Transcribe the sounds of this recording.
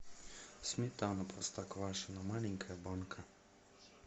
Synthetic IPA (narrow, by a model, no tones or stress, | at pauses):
smet̪awnapɾɔst̪akɔʋaʃanamaliŋkʰajabɔnkʰa